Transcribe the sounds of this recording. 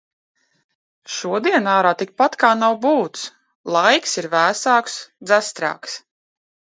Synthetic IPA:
ʃuɔd̪iɛnaːɾaːt̪ik̚pat̪kaːnawbuːt̪s | lˠajksiɾvæːsaːksd̪zæst̪ɾa̰ːks

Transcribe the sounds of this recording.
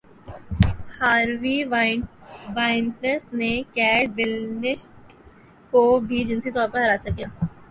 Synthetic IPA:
haːɾʋi | ʋaːɪɳʈnəsnekɛːʈ̚ʋɪlnɪʃ | kobʱid͡ʒɪnsit̪ɔːɾpɐɾɦɐɾaːsɐkijaː

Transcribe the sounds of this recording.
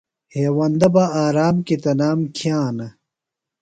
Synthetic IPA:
heːwɐnd̪ɐbaaːɾaːmket̪ɐnaːmkʰjãːnɐ

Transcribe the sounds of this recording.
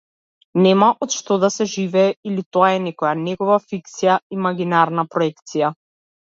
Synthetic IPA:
nɛmaʔɔt̪ʃt̪ɔd̪asɛʒivɛːilit̪ɔaɛnɛkɔjanɛɡɔvafikt̪sijaimaɡinaɾnapɾɔɛkt̪sija

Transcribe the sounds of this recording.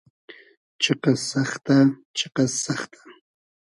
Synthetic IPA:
t͡ʃeqɑsɑχt̪at͡ʃeqɑsɑχt̪ʰḁ

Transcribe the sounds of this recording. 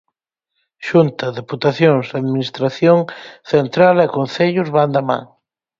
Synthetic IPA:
ʃunt̪ɐðeput̪aθjoŋzðaðminist̪ɾaθjoŋθent̪ɾalɛkonθeʎʊzβand̪amã̰ŋ

